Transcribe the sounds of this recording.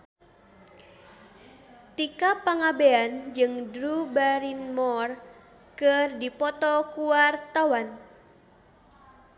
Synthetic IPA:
t̪ikapaŋabeand͡ʒɨŋdɾubaɾinmɔr | kərdipɔt̪ɔkuwart̪awan

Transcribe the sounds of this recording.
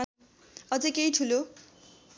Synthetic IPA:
ʌd͡zʌkejʈʰulo

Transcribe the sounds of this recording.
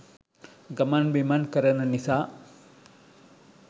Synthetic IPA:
ɡɐmaːnbimaːnkɐɾɐnɐnɪsaː

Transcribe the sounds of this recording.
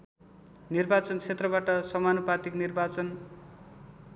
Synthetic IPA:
nirbat͡sʌnt͡sʰet̪rʌbaʈʌsʌmanopat̪iknirbat͡sʌn

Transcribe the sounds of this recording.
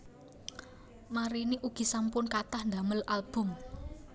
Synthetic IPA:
maɾiniʔuɡ̥i̤sampʊnkat̪ahnd̪a̤məlalb̥ʊ̤m

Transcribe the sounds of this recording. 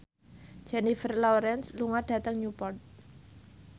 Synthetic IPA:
d͡ʒɛnifərlɔɾɛnsluŋad̥ä̤t̪əŋɲupɔrt̪̚

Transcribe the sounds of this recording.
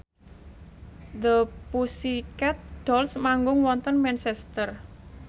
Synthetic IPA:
d̪əpusikɛt̪̚ɖ̥ɔlsmaŋɡʊŋwɔnt̪ənmɛnsɛst̪ər

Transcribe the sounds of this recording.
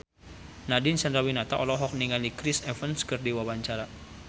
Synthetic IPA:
nadinsanɾawinat̪aʔɔlɔɦɔk̚niŋalikɾisɛfənskərdiwabaɲt͡ʃaɾa

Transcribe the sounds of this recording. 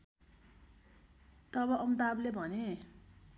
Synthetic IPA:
t̪ʌbʌʔʌmd̪ablebʱʌne

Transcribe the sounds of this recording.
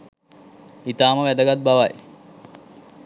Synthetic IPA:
it̪aːməʋæd̪əɡat̪̚baʋaj

